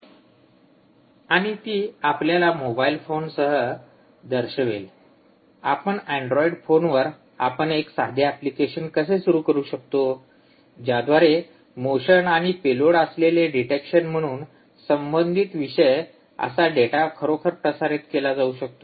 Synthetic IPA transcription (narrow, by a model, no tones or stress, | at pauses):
aɽ̃it̪iːapljalamobailfonsəɦə | d̪əɾɕəʋel | apəɳɛ̃ɳɖɾɔiɖfonʋəɾ | a̰pəɳeksad̪ʱjaɛplikeɕənkəsesuɾuːkəɾuːɕək̚t̪o | d͡ʑjad̪ʋaɾe | moɕənaɽ̃ipeloɽəsleleɖiʈekɕənm̤əɽ̃uːn | səmbənd̪ʱit̪ʋiɕəj | ə̰saɖeʈakʰəɾokʰəɾpɾəsaɾet̪kelad͡zauɕək̚t̪o